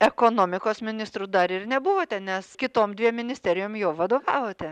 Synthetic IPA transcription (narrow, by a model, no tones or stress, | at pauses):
ɛkoːnoːmʲɪkoːsmʲɪnʲɪst̪ɾud̪ɐɾɪrnʲɛbʊʋoːt̪ʲɛnʲɛskʲɪt̪oːmd̪ʲʋʲiɛmʲɪnʲɪsʲt̪ʲæɾʲɪjoːmjoːʋɐd̪oːʋɑːʋoːt̪ʲɛ